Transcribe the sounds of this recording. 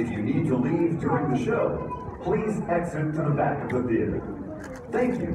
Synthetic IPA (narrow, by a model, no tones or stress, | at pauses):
ɨfjɨnid̚təlivdʊɹɪ̃ŋðɨʃoʊ | pʰl̥izɛksɨt̚kʰʌ̃məbæk̚ɨ̃pʊt̪̚ði | θæ̃ŋkjʉ̰